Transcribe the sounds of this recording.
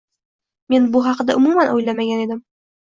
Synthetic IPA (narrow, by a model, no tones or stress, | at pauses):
menbuɦɑqd̪aʔʊmumanojlamaɡʲaned̪ɘm